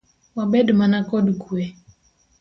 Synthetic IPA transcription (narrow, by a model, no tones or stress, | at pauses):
wabɛdmanakɔdɡuɛ